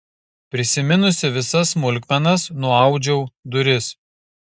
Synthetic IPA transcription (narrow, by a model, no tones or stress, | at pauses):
pʲɾʲɪsʲɪmʲɪnʊsʲɪʋʲɪsɐsmʊlʲkʲmʲɛnɐsnʊɑˑʊd͡ʒʲɛʊd̪ʊɾʲɪs